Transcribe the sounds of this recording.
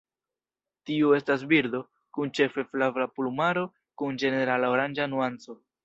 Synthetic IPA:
tiue̞stas̬biɾd̪o̞ | kunt͡ʃe̞fe̞flavlaplumaɾo̞ | kund͡ʒe̞ne̞ɾalaoɾand͡ʒanuant͡so̞

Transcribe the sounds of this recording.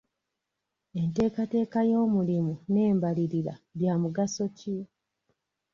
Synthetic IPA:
e̞nte̞ːkate̞ːkajo̞ːmulimune̞ːmbaliɾiɾa̰βjaːmuɡaso̞ci

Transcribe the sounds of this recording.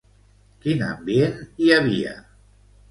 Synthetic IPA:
kina̰mbieniaβ̞ia̰

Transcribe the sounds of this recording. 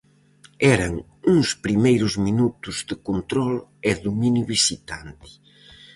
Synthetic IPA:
ɛɾɐŋ | uŋspɾimejɾʊzminut̪ʊzðɪkont̪ɾɔlɛðuminjuβisit̪ant̪ɪ̥

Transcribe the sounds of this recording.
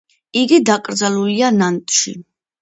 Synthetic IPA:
iɡid̪akʼɾd̪zalulianant̪ʼʃḭ

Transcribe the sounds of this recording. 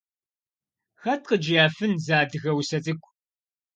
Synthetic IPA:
xɐt̚qəd͡ʒjaːfɨnzaːdɨɣɐwsɐt͡sʼɨkʷʰʼ

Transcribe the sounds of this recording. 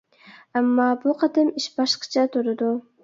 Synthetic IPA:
ɑmːɑbʊqʰɑd̪ɯmɪʃbɑʃqɑ̥t͡ʃʰɑt̪ʰʊɾud̪ʊ

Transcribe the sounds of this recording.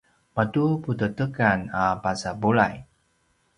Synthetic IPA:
matuputətəkanapasabula̰j

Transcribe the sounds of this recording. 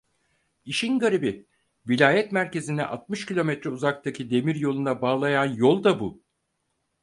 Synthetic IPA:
iʃinɡaɾebi | vilʲaːjɛt̪mæɾce̞zinɛʔat̪̚mɯʃcilʲo̞mɛt̪ɾɛuzak̚t̪ʰacʰid̪e̞miɾjo̞lˠunabaːlˠajanjo̞lˠd̪abu

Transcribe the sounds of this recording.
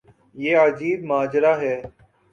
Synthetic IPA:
jeːəd͡ʒiːd̪maːd͡ʒɾaːɦɛː

